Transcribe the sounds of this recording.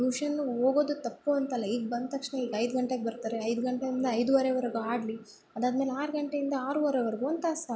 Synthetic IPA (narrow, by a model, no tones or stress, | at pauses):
uːʂɐnːuɦoːɡo̞ːd̪ut̪ɐpːuɐnt̪ɐlːɐiːɡ̚bɐnd̪t̪ɐkʂɳeiːɡɐjd̪ɡɐɳʈeɡebɐɾt̪aːɾeɐjd̪ɡɐɳʈeind̪ɐɐjd̪uʋɐɾeʋɐɾɐɡuaːɖli | ɐd̪aːd̪me̞ːleaːɾɡɐɳʈeind̪ɐaːɾuːʋɐɾeʋɐɾɐɡuɐnt̪aːsa